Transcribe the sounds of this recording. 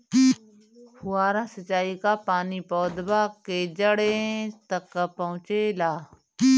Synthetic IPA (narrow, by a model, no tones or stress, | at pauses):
pʊaːɾãsət͡ʃaːikapaːnipɔːd̪baked͡ʒəɽet̪ɐkːapɐɦʊ̃t͡ʃelaː